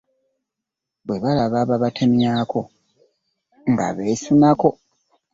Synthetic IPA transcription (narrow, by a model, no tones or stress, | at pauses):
βwe̞βalaβaβaβatʰe̞mjaːko̞ | ŋɡa̰βe̞sunako̞